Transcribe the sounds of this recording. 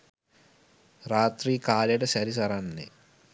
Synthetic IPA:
ɾaːt̪ɾiːkaːlɐʈɐsɐɾisɐɾanːḛ

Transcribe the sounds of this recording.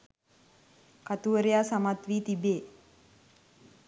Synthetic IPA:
kat̪uʋəɾejaːsamat̪ʋiːt̪ibeː

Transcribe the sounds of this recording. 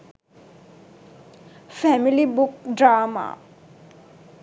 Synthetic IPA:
fɛmilibuk̚drama̰

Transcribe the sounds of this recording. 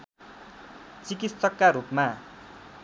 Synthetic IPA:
t͡sikit̪sʌkːaɾupma

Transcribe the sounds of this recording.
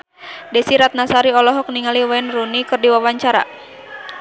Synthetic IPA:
dɛsiɾat̪̚nasaɾiɔlɔɦɔk̚niŋaliwɛnrunikɨrdiwawaɲt͡ʃaɾa̰

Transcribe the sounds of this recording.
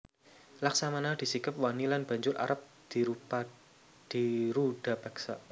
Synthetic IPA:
laksamanad̪̥i̤sikəp̚wanilanb̥a̤ɲd͡ʒʊɾʔa̰ɾəp̚ | d̪̥i̤ɾupa | d̪̥iɾuɖ̥a̤paksa̰

